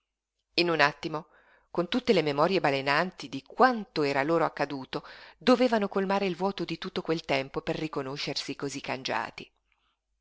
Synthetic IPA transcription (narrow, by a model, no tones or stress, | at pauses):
inunat̪ːimo | kont̪ut̪ːelememɔːɾjebalenant̪id̪ikwant̪oɛːɾaloːɾoakːad̪uːt̪od̪oveːvanokolmaːɾeilvwɔːt̪od̪it̪ut̪ːokwelt̪ɛmpoperːikonoʃːersikozikːand͡ʒa̰ːt̪i